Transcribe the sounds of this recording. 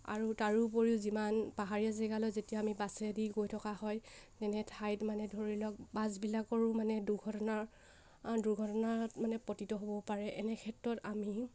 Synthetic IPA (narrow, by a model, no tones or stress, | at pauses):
a̰ɹutaɹup̬oɹiʊzimanpaɦaɹiazɛɡalɔjzetijaamibasɛdiɡojtʰɔkahɔjtɛnɛtʰajtmanɛdʱoɹilɔk̚bazbilakɔɹʊ̃manɛduɡʱɔtɔnaɹ | duɹɡʱɔtɔnaɹtmanɛpɔtitɔɦobɔpaɹɛʔɛnɛkʰɛtɹɔtami